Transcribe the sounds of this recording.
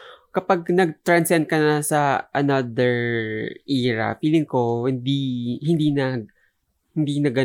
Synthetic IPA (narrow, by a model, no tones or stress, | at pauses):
kɐpaɡ̚nɐɡ̚t̪ɹɐnsɛnd̪̚kɐnɐsɐʔɐnad̪ɛɹʔiːɹɐ̰piːlɪŋko̞hɪnd̪ihɪnd̪inɐ | hɪnd̪inɐɡɐ